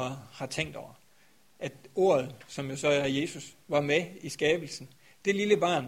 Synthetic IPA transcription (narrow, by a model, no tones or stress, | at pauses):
hɑ̈t͡sʰeŋ̰d̥ɒʊ̰ɐ | ʔæd̥o̝̰ːɐð̞̩ˠsɒ̽mjo̝sɒ̽æɐje̝ːsusʋɑ̈meisɡ̥ɛːb̥l̩sn̩ | d̥e̝liləb̥ɑ̈ːn